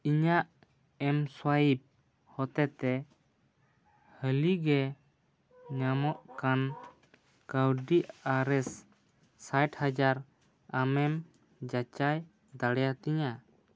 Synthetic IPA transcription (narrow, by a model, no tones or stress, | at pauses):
iɲaʔ | ɛmswajib̚ | hɔt̪ɛt̪ɛ | həliɡɛ | ɲamɔʔkan | kəwɖiaɾɛsː | ajʈhad͡ʒaɾ | amɛm | d͡ʒat͡ʃaj | d̪aɽɛjat̪iɲa